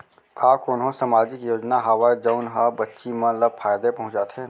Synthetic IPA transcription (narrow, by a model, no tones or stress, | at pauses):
aːkʊnɦõsəmaːd͡ʒɪkjoːd͡ʒnaɦaʋad͡ʒəːnɦabɐtːʃimɐ̃ləbfʰaːjd̪epɐɦʊ̃t͡ʃaːt̪ʰe